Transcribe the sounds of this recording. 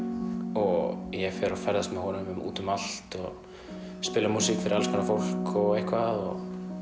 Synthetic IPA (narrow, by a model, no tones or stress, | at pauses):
ɔɣjɛfɛɾafɛɾðast̪mɛhɔːnʏmʏmṵːt̪ʏmal̥t̪ɔ | spɪːlamuːsikfɪɾɪɾalskʰanafol̥kɔɣejhkvaðɔ̰